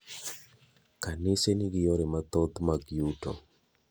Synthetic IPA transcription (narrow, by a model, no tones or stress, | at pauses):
kanɪseniɡɪjoɾemat̪ɔd̪maɡjuto̰